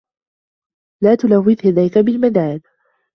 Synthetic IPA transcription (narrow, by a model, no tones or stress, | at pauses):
laːt̪ʊlawːɪðhɪd̪ajkabɪlmad̪aːn